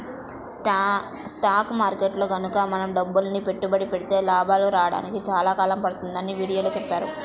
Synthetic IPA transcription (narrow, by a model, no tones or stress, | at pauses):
sʈaːkmaːɾkeːʈloːɡɐnukɐmɐnɐmɖɐbːulnipe̞ʈːubɐɽipeɽit̪e̞ːlaːbʱaːluɾaːɽa̰ːnikit͡ʃaːlaːkaːlɐmpɐɽut̪und̪ɐniʋiːɽijo̞ːloːt͡ʃɛpːaːɾu